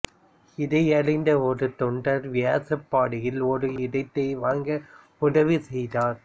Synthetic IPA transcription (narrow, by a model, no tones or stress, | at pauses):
ɪðɐɪɐɭɐɪnd̪ɐɔɾɯt̪ɔɳɖɐɾʋɪjaːsɐpːaːɽɪjɪlɔɾɯɪðɐɪt̪ːɐɪʋaːŋɡɐ | ʊɽɐʋɯsɛjðaːɾ